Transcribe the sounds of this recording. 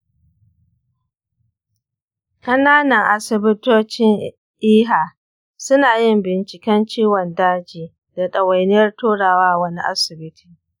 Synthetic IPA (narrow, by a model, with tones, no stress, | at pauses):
kʼɐ˦naː˦nɐ˨ŋʔa˨sɪ˨bɪ˦toː˦t͡ʃɪ˦ŋ | ʔiː˦ɦaː˨ | sʊ˦naː˨jɪ˦mbɪ˨nt͡ʃɪ˨kʲɛ˦nt͡ʃiː˦wɔ˨ndaː˦d͡ʒiː˨ | da˨ɗɐ˨wa˨jnɪ˦jɐ˦rtoː˦ɽaː˨waː˦wɐ˦ni˦ʔa̰˦sɪ˨bɪ˦tʰi˨